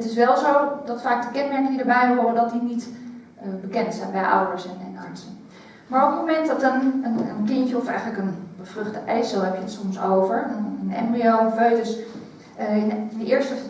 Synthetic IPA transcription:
ətɪs̬ʋɛlˠzowdɑtfaːk̚dəkɛnmɛɹkəŋədəɹbɛjɦʊrədɔt̚dinit | bəkɛntsɛjnbɛjʔʌ̰wdəɹsɛnɛnɑ̰ɹsən | maːɹɔpətmomɛntdɔtənənənkɪncəɔfɛ̰jχənləkənbəfrɵχtəʔejsəlˠɦɛpjəətsɔmsowvəɹənɛ̰mbioføɥtəs | ɪnndəɪːɹstə

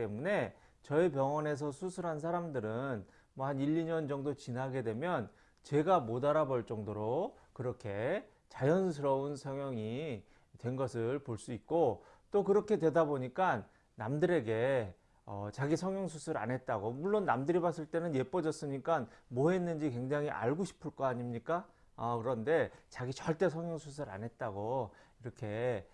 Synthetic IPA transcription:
emune̞ | t͡ɕʌip̬jʌŋʌne̞s̬ʰʌsʰusʰuɾɦansʰaɾamdɯɾɯn | mwʌhaniʎːiɲʌnd͡ʑʌŋdot͡ɕinɦaɡe̞dwe̞mjʌn | t͡ɕe̞ɡamodaɾabʌɭt͡ɕ͈ʌŋdoɾo | kɯɾʌkʰe̞ | t͡ɕajʌnsʰɯɾʌunsʰʌŋjʌŋi | twe̞nɡʌsʰɯɭpoɭs͈uik̚k͈o | t͈okɯɾʌkʰe̞dwe̞daboɲik͈anː | amdɯɾe̞ɡe̞ | ʌt͡ɕaɡisʰʌŋjʌŋsʰusʰɯɾa̰ne̞t̚t͈aɡomuɭːonːamdɯɾibas͈ɯɭt͈e̞nɯnje̞p͈ʌd͡ʑʌs͈ɯɲik͈anmoɦe̞nːɯnd͡ʑikwe̞ŋd͡ʑaŋiʔa̰ɭɡoɕʰi̥pʰɯɭk͈ʌaɲimɲik͈a | akɯɾʌnde̞t͡ɕaɡit͡ɕʌɭt͈e̞s̬ʰʌŋjʌŋsʰus̬ʰɯɾa̰nɦe̞t̚t͈aɡoiɾʌkʰe̞

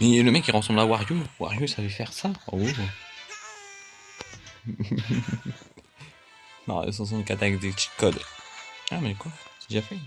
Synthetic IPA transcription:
mɛləmɛkʲːiʁɑ̃sɑ̃mblawaʁjowa̰ʁjusavefɛʁsaɔ̰u | nɔ̰̃ḭs̬ɑ̃s̬ɔ̃d̪əkat̪akd̪et̪i̥kɔd̪ | amɛkwasɛd̪ʒafɛ

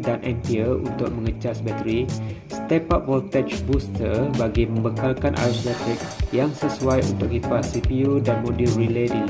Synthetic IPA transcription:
danʔɛ̃mpiəṵnt̪ʊk̚mə̃ŋət͡ʃasbɛt̪əɾi | st̪ɛpap̚wɔlt̪ɛt͡ʃbust̪ərbaɡimə̃mbəkalkanʔa̰ɾuslɛt̪ɪk̚ | jaŋsəsuajṵnt̪ʊk̚ɡipasipiudanmõdulriledi

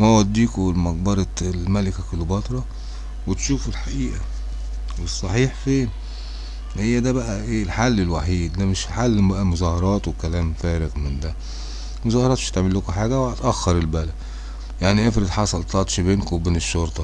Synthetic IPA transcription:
mæwæd̪ːiːkomɑq̚bɑɾˤɑlmælɪkækʊlːubɑt̪ˤɾˤɑ | wɪt̪ʃuːfelħaʔiːʔæ | wesˤːɑħiːħfeːn | hejːæd̪æbæʔæʔeːlħalːɪlwaħiːd̪d̪æmɪʃħalːbæʔæmʊzɑhɑɾˤɑːt̪wekælæːmfæːɾɪɣmɪnd̪æ | mʊzɑːhɑɾˤɑːt̪mɪʃt̪eʕmelːʊkuħaːɡæwt̪ʔæxːɑɾˤɪlbælæd | jaʕniʔefɾɪd̪ħɑsˤɑlt̪ɑt̪ˤʃbeːnkowbeːnɪʃːoɾt̪ˤɑ

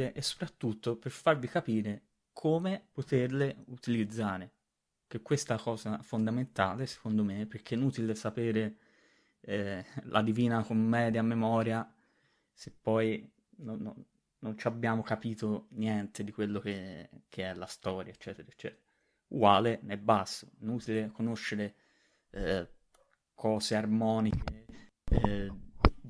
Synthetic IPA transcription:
eʔesːo̥pɾat̪ːut̪ːoperfarvikapiːɾe | kʰoːmepot̪erleut̪ilid̪zːaːɾe | k̟ekːwest̪akɔːzafond̪ament̪aːlese̥kond̪omeperk̟eɛnuːt̪ilesapeːɾe | ɛlʔa̰d̪iviːnakomːɛːd̪jamemɔːɾja | sepːɔj | nonːo̰nː | ont͡ʃabːjaːmokapiːt̪onjɛnt̪ed̪ikwelːok̟ek̟ʰeɛlːast̪ɔːɾjaet͡ʃːɛːt̪eɾaet͡ʃːɛ̰ːt̪eɾa | uɡwaːlenɛbːasːoɛnuːt̪ilekonoʃːeɾe | kʰɔːzearmɔːnike

